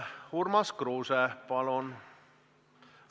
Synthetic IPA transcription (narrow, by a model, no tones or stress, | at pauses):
hurmɑskruːsɛpɑlon